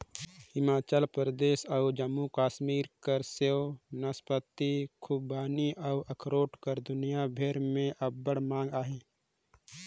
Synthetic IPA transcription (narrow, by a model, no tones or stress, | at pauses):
hɪmaːt͡ʃəlpɾəd̪eːʃəud͡ʒəmːukaːʃmiːɾkəɾseonəspət̪ːikʰubaːniʔəʔɐkʰɾoːʈkəɾd̪ʊnijabʱeːɾmẽʔɐbbːəɽmãːŋɡaːɦeː